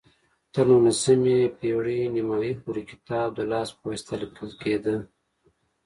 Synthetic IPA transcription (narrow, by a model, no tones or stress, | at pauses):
t̪əɾnulasəmepeɽinimɑjipuɾikɪ̥t̪ɑːb̚d̪əlɑːspowist̪alikʰəlked̪ə